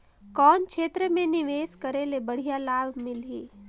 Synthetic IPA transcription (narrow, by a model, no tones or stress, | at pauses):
kɔːnkʰeːt̪ɾəmẽnɪʋeːskəɾelebəɽ̤ijalaːbmɪliː